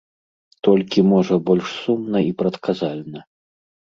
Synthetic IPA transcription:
t̪ɔlʲkʲimɔʐɐbɔlʲʂsumnɐipɾɐt̪kazalʲnɐ

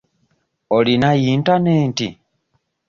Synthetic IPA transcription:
olinajintaneːntḭ

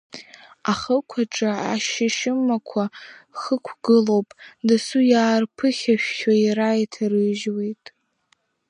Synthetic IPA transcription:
aχəkʷʰaʈ͡ʂʼaaʃɪʃɪmakʷʰaχəkʷʰɡɨlowpʼdasujaːrpʰɨχʲaʃᶣːaiɾajtʰarɨʒwejtʼ

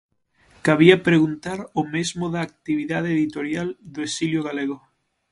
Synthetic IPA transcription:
kaβ̞iapɾeɣunt̪aɾʊmezmʊðaːk̚t̪iβiðaðeeðit̪oɾjald̪oesiljoɣaleɣo

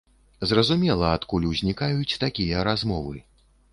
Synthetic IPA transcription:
zrɐzumʲɛlˠɐat̪kulʲuwzʲnʲikajut͡sʲt̪akʲijɐɾazmɔvɨ

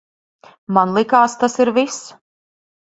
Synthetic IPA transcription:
manlˠikaːst̪asiɾvis

